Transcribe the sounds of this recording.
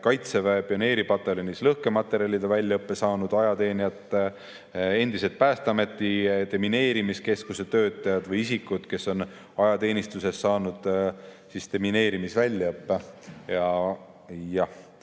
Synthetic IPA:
kɑjt̪sevepio̞ne̞ːɾipɑt̪ːˑe̞lʲonislɤhke̞mɑt̪ːˑe̞ɾjɑlʲid̪̥ɑvælʲːɑɤpːe̞sɑːnud̪̥ɑjɑt̪e̞ːniɑt̪ːˑ | e̞nd̪̥ise̞lt̪̚pæːst̪eɑme̞t̪ːˑit̪e̞mine̞ːɾimiske̞skuse̞t̪ø̞ːt̪ːˑɑjɑd̪̥vɤjisikːˑut̪ke̞so̞n | ɑjɑt̪e̞ːnist̪use̞sːɑːnud̪̥ | sist̪e̞mine̞ːɾimisvælʲːjɑɤpːe̞jɑ | jɑh

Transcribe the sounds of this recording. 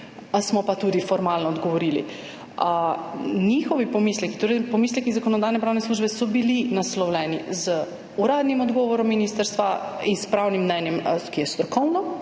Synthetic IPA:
smɔpat̪uːd̪ifɔɾmaːlnɔːd̪ɡɔʋɔɾilḭ | nixɔʋipɔmislɛki̥t̪oːɾɛjpɔmiːslʲɛkizakɔnɔd̪aːjnɛpɾaːwnɛsluːʒbɛsɔbilinaslɔwlʲɛnizə | uɾaːd̪nimɔd̪ɡɔʋɔɾɔmːiniːst̪əɾst̪ʋainspɾawnimːnɛnjɛmkijɛst̪ɾɔkɔwnɔ

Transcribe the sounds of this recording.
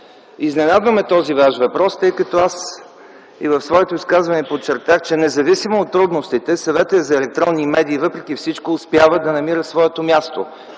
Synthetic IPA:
iznɛnad̪vəmɛt̪ɔzivaʃvɐpɾɔst̪ɤjkɐt̪ɔas | ivɐfsvɔɛt̪oiskazvɐnɛpot͡ʃːɛɾt̪axt͡ʃɛnɛzɐvisimoːt̪ːɾud̪nost̪it̪ɛsɐvɛt̪əzɐɛlɛk̚t̪ɾɔnːimɛd̪iːvɤpɾɛk̟ʲifsit͡ʃkoːspʲjavəd̪ɐnɐmiɾəsvɔɛt̪omʲjast̪o̰

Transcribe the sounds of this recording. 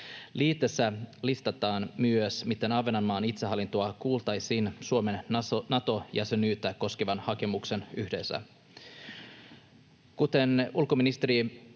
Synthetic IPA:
liːt̪ːesːælist̪ɑt̪ɑːnmyøsmit̪ːe̞nɑʋenɑnːɑːnit̪seɦɑlːint̪oɑkuːlt̪ɑjsiːnsuome̞nnɑt̪ojæse̞nyːt̪ːæko̞skeʋɑnhɑke̞mukse̞nyhde̞sːæ̰ | kut̪e̞nulko̞minist̪eɾi

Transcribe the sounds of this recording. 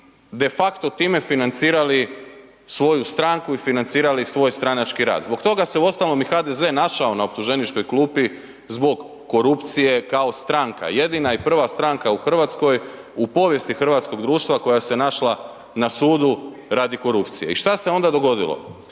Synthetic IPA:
d̪e̞fakt̪ot̪iːme̞finant̪siːɾali | sʋo̞just̪ɾaŋkuifinant̪siːɾalisʋo̞jst̪ɾanat͡ʃkiɾa̰ːd̪zbo̞kt̪o̞ɡase̞uo̞st̪alno̞mixaːd̪eze̞naʃao̞naopt̪uʒe̞nit͡ʃko̞jklˠuːpi | zbo̞ɡː | o̞ɾupt̪sije̞kaost̪ɾaŋka̰je̞d̪inaipr̩ʋast̪ɾaŋkauxr̩ʋat̪sko̞j | upo̞ʋje̞st̪ixr̩ʋat̪sko̞ɡd̪ɾuːʃt̪ʋako̞jase̞naʃlˠa | nasuːd̪u | ɾad̪iko̞ɾupt̪sije̞iʃt̪ase̞o̞nd̪ad̪o̞ɡo̞d̪ḭlˠo̰

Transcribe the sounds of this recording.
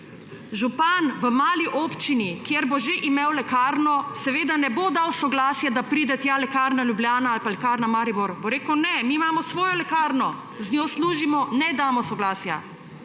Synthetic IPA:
ʒupanʋəmaːliʔɔːpt͡ʃinikjeɾboʒeʔimewlɛkaːɾnɔsɛʋeːd̪anɛbod̪awsɔɡlaːsjad̪apɾiːd̪ɛt̪jalɛkaɾnaljubljaːnaalpalɛkaɾnamaːɾiboɾboɾeːkəwnɛmiːmaːmɔsʋoːjɔlɛkaːɾnɔ | znʲjoːsluːʒimɔnɛd̪aːmɔsɔɡlaːsja̰

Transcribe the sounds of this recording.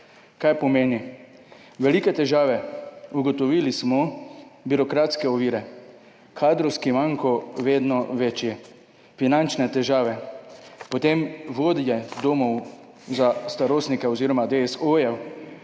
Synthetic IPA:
kajpɔmeːni | ʋɛlikɛt̪ɛʒaːʋɛuɡɔt̪ɔʋiːlismɔbiɾɔkɾaːt̪skɛɔʋiːɾɛ | kʰaːd̪ɾɔwskimaŋkɔʋeːd̪nɔʋet͡ʃjɛ | finant͡ʃnɛt̪ɛʒaːʋɛ | pɔt̪emʋoːd̪jɛd̪oːmɔw | zast̪aɾoːsnikɛɔziːɾɔmad̪eɛsojɛw

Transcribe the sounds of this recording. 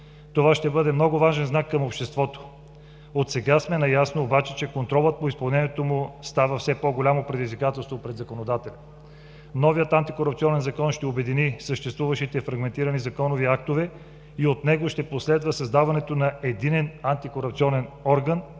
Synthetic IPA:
t̪ovaʃt̪ɛbɤd̪ɛmnɔɡʊvaʒɛnznakːəmopʃt̪ɛst̪vɔt̪o̥ | ot̪sɛɡasmɛnɐjasnoːbat͡ʃɛt͡ʃɛkont̪ɾɔlˠət̪̚poispɐlˠnɛnʲiɛt̪omʊst̪avəfsɛpɔɡolʲamopɾɛd̪izvikat̪ɛlˠst̪vopɾɛd̪zɐkonod̪at̪ɛlʲɐ | nɔviət̪ant̪ikoɾɐpt̪siɔnɛnzɐkɔnʃt̪ɛobɛd̪inisəʃt̪ɛst̪vuvəʃit̪ɛfɾɐɡmɛnt̪iɾənizɐkɔnoviak̚t̪ovɛ | iot̪nɛɡoʃt̪ɛposlɛd̪vəsɐzd̪avɐnɛt̪onɐɛd̪inɛnant̪ikoɾɐpt̪siɔnɛnɔɾɡən

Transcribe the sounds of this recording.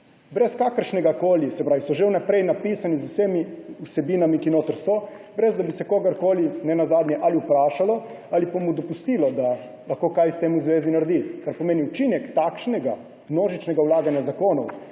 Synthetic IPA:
bɾɛskaːkəɾʃnɛɡakoːlisɛpɾaːʋisɔʒewnapɾɛjnapisanizusemiusɛbiːnamikinoːt̪əɾsɔ | bɾɛzd̪abisɛkoːɡaɾkoːlinɛnazaːd̪ɲjɛʔaliupɾaːʃalɔ | alipamud̪ɔpust̪iːlɔd̪a | laxkoːkajst̪eːmuzʋeːzinaɾd̪ikaɾpɔmeːniut͡ʃinɛkt̪akʃnɛɡa | mnoːʒit͡ʃnɛɡawlaːɡanjazakoːnɔw

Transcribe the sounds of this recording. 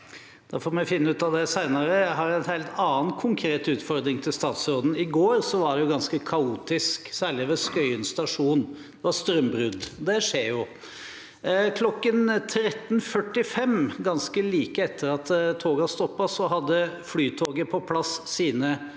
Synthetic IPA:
dd̥̪ɑfɔːɾmɔfɪnːəʉːt̪ɑd̪ɛsæɪnɑɾəjæɪɦɑɾɛɪnhæɪlt̪ʰɑːnkʰʊŋkʰɾeːt̪ʉːt̪fɔɾd̪ɾɪŋt̪ʰɪlst̪ɑːt̪sɾoːd̪n̩ɪɡoːɾsɔʋɑɖɛjʊɡɑnskəkʰɑuːt̪ɪsksæːɾɭɪʋɛskœʏənst̪ɑʂuːn | d̪̥ɛʋɑst̪ɾœmbɾʉd̪d̪ɛʂeːɾjʊ | kʰlɔkːənt̪ʰɾɛt̪ːn̩fœʈːɪfɛmɡɑnskəliːkəɛt̪ʰːəɾɑt̪t̪ʰːoːɡɑst̪ɔpːɑsɔɦɑd̪ːəflyːt̪ʰoːɡəpʰɔpʰlɑsːiːnə

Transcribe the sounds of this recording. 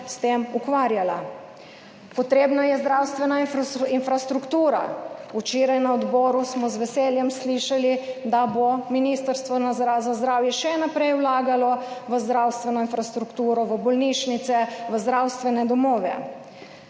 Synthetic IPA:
st̪emukʋaːɾjala | pɔt̪ɾeːbnajɛzd̪ɾawst̪ʋɛnainfɾast̪ɾukt̪uːɾa̰ut͡ʃeːɾajnaɔd̪bɔːɾusmɔzʋɛseːljɛmsliʃalid̪abominiːst̪əɾst̪ʋɔnazɾazazd̪ɾaːwjɛʃɛnapɾɛjwlaːɡalɔʋəzd̪ɾawst̪ʋɛnɔinfɾast̪ɾukt̪uːɾɔʋəbɔlniːʃnit̪sɛʋəzd̪ɾawst̪ʋɛnɛd̪ɔmɔːʋɛ̰

